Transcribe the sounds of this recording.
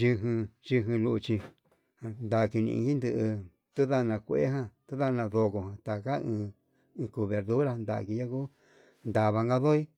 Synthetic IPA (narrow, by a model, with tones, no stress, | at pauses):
ʒi˧ɦɨ̃˧ʒi˧ɦĩ˧lu˧t͡ʃi˧ | a˧nd̪a˨ki˧nḭ̃˧ḭ̃˧ɡi˦nd̪ɨ˧ʔɨ˧ | t̪u˦ða˦˧nã˧kʷḛ˦ɦã˧t̪u˦ða˦˧nã˧ðo˧ko˧hã˨t̪a˨ka˦ɨ̃ː˧ | ku˧βe˨ɾðu˦ɾa˦˧nd̪a̰˧˨ki˧ja˦ku˦ | nd̪a˨βa˧ŋɡa˦ðo˦i˦